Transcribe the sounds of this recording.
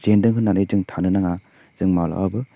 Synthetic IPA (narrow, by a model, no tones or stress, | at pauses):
zendɯŋɦɯnːanɯjzɯŋtʰanɯnaŋa | z̥ɯŋmawla̰ʔabɯ